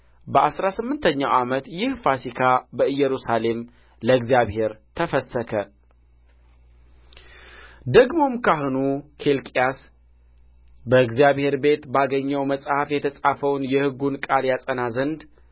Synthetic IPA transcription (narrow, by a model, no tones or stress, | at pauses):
bəʔasɾasɨmːɨnt̪ʰəɲːawʔamət̪jɪhfasikʰabəɨjːɛɾusale̞m | ləɨɡzijaβhe̞ɾt̪ʰəfəsːəkʰə | d̪əɡmo̞mkʰaɦɨnukʰe̞lkʼijas | bəɨɡzijaβhe̞ɾbe̞t̪baɡəɲːəwməsʼhafjɛt̪ʰəsʼafəwnjɛhɨɡunkʼaljasʼənazənd̪